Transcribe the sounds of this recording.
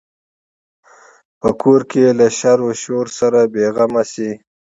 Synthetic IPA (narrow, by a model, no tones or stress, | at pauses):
pəkʰoɾkelaʃaɾoʃoɾsaɾabeɣamasi